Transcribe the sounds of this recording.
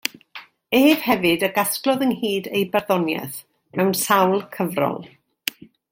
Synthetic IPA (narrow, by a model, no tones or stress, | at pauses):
eːv̥hɛvɨdəɡasklˠɔðənhiːdejbarðɔnjɛ̰θ | mɛwnsawlˠkʰəvrɔ̰lˠ